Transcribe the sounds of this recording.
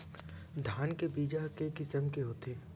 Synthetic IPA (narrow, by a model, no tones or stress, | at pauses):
d̪ʱaːnkebiːd͡ʒakekɪsəmkeɦoːt̪ʰeː